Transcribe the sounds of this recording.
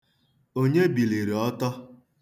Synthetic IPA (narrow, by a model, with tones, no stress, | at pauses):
o˦ɲe˦bi˨li˨ɾi˨ɔ˦tɔ˦